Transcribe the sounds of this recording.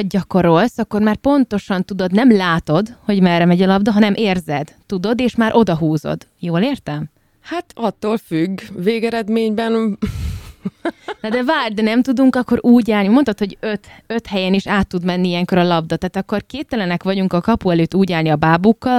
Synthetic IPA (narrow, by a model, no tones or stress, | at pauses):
ɟɒko̞ɾo̞lsɒkːormaːrpo̞nt̪o̞ʃɒnt̪ud̪o̞d̪nɛmlaːt̪o̞d̪ho̞ɟmɛrːɛmɛɟɒlɒbd̪ɒɦɒnɛmʔeːrzɛd̪t̪ud̪o̞d̪eːʃmaːɾʔo̞d̪ɒɦuːzo̰d̪joːleːrt̪ɛm | haːt̪ɒt̪ːoːlfyɡːveːɡɛɾɛd̪meːɲbɛn | nɒd̪ɛvaːrd̪ɛnɛmt̪ud̪uŋkɒkːo̞ɾʔuːɟaːlnimo̞nt̪ot̪ho̞ɟøt̪ø̞t̪hɛjɛniʃaːt̪ːud̪mɛnːiijɛŋko̞ɾɒlɒbd̪ɒt̪aːt̪ɒkːo̞rkeːpt̪ːɛlɛnɛkʋɒɟuŋkɒkɒpuɛløːt̪ːuːɟaːlniɒbaːbukːɒl